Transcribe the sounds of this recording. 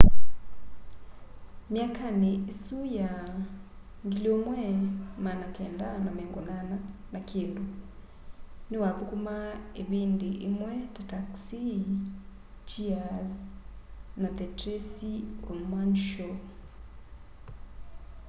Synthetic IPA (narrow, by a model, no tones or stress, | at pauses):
mjakaneesuja | ŋɡiljomwɛmanakɛːndanamɛːŋɡɔŋananakʰeːndu | newakukumaeβiːndiʔemwɛtataksi | t͡ʃiaz | nat̪ɛtɾesiomanʃɔ